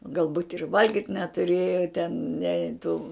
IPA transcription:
ɡɐlˠˈbuːtʲ ɪr ˈʋɐlʲɡʲiːtʲ nʲɛtʊˈrʲeːjɛ tʲɛn nʲɛ tuː

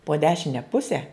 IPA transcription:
poː ˈdʲæːʃʲɪnʲɛ ˈpʊsʲɛ

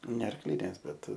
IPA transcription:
nʲɛ ɐrkˈlʲɪnʲeːs ˈbʲɛt

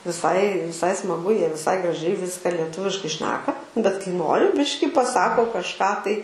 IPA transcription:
ʋʲɪˈsɐɪ ʋʲɪˈsɐɪ smɐˈɡʊ ˈjiɛ ʋʲɪˈsɐɪ ɡrɐˈʒʲɛɪ ˈʋʲɪskɐ lʲiɛˈtʊʋʲɪʃkɐɪ ˈʃʲnʲæːkɐ bʲɛt kɐɪ ˈnoːrʲɪ ˈbʲɪʃʲkʲɪ pɐˈsɑːkoː kɐʃˈkɑː tɐɪ

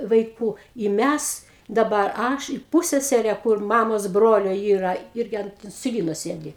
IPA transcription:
ʋɐɪˈkuː ɪ ˈmʲæs ˈdɑːbɐr ˈɐʃ ɪ ˈpuːsʲsʲɛsʲɛrʲɛ kʊr ˈmɑːmoːs ˈbroːlʲoː ˈiːrɐ ˈɪrʲɡʲɪ ˈɐnt ɪnʲsʲɪˈlʲiːnoː ˈsʲeːdʲɪ

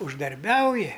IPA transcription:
ʊʒdɐrʲˈbʲɛʊjɪ

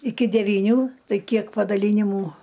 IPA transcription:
ɪkʲɪ dʲɛʋʲiːˈnʲuː ˈtɐɪ ˈkʲiɛk pɐdɐˈlʲiːnʲɪmuː

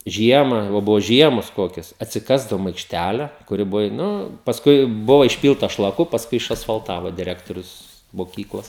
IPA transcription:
ˈʒʲiɛmɑː ʋɐ ˈbʊʋoː ˈʒʲiɛmoːs ˈkoːkʲɛs ɐtʲsʲɪˈkɑːzdɐʋoːm ɐɪkʃʲˈtʲælʲɛ kʊˈrʲɪ ˈbʊʋoː ɪ ˈnʊ pɐsˈkʊɪ ˈbʊʋɐ ɪʃʲˈpʲiːlˠtɐ ʃlˠɐˈkʊ pɐsˈkʊɪ ɪʃɐsfɐlˠˈtɑːʋoː dʲɪˈrʲæːktoːrʲʊs moːˈkʲiːklˠoːs

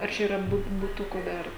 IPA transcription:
ɐr ˈt͡ʃʲɛ iːˈrɐ ˈbʊt bʊˈtʊkuː ˈdɐr

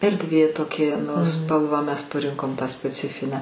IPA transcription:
ɛrʲdʲˈʋʲeː toːˈkʲiɛ nʊ ˈspɐlˠʋɑː ˈmʲɛs pɐˈrʲɪŋkoːm tɑː sʲpʲɛˈt͡sʲɪfʲɪnʲæː

